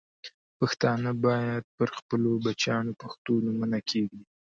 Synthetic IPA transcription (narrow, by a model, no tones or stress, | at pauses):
paxt̪ɑnəbɑjad̪̚pəɾxpəlobat͡ʃjɑnopaxt̪onumənakʰeɡi